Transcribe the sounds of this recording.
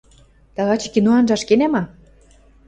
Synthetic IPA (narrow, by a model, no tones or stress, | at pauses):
t̪ɑɣɑt͡ɕɤ̥̆kinoɑnʒɑʃkenæmɑ